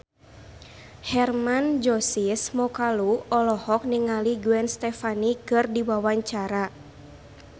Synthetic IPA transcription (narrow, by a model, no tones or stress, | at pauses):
hɛrmand͡ʒɔsismɔkaluɔlɔhɔk̚niŋaliɡuɛnst̪ɛfanikɨrdiwawaɲt͡ʃaɾa